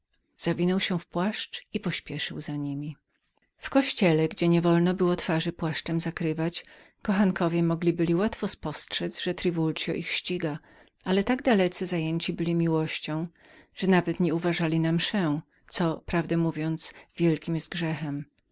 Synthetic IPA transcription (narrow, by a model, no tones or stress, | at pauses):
z̥avʲinɔwɕɛfpwaʂt͡ʂipɔɕpʲjɛʂɘwzaɲimʲi | fkɔɕt͡ɕɛlɛɡd͡ʑɛɲɛvɔlnɔbɘwɔt̪faʐɘpwaʂt͡ʂɛmzakɾɘvat͡ɕ | kɔxaŋkɔvʲjɛmɔɡlʲibɘlʲiwat̪fɔspɔstʂɛzʐɛt̪ɾɘvulsjɔ̰ʔixɕt͡ɕiɡa | alɛt̪aɡd̪alɛt̪sɨzajeɲt͡ɕibɘlʲimʲiwɔɕt͡ɕɔ̃w̃ | ʐ̥ɛnavɛt̪ɲɛuvaʐalʲinamʂɛ | t̪sɔpɾavd̪ɛmuvʲjɔnt̪svʲjɛlkʲimjɛst̪̚ɡʐɛxɛm